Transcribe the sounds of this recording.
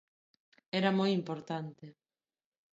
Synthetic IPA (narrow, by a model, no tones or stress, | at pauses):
ɛɾɐmojimpoɾt̪ant̪e